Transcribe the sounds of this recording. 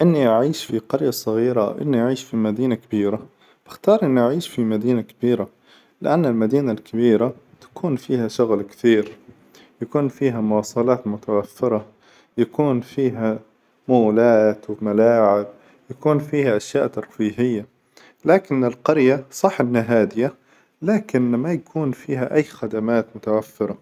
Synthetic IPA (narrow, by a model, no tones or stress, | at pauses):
ʔɪnːiʔaʕiːʃfiqɑɾjasˤɨɣiːɾa̰wʔɪ̰nːiʔaʕiːʃfimad̪iːnakɪbiːɾa | b̥ɪxt̪ɑːɾˤʔɪnːʔaʕiːʃfimad̪iːnakɪb̥iːɾa | lɪ̰ʔanːɪlmad̪iːnalkabiːɾa | t̪ḁkuːnfiːhaʃʊɣlkt̪iːɾ | jakuːnfiːɦamʊwɑːsˤɑlɑːt̪mʊt̪awafːɪɾˤɑ | jakuːnfiːɦa | maːlaːt̪wɪmalaːʕɪb̚ | jakuːnfiːhaʔaʃjaːʔt̪ɑɾˤfiːɦɪjːa | laːkɪnːɪlqɑɾjasˤɑħːʔɪnhaɦaːd̪ɪja | laːkɪnmajakʰuːnfiːɦaʔajːxad̪amaːt̪mʊt̪awafːɪɾˤɑ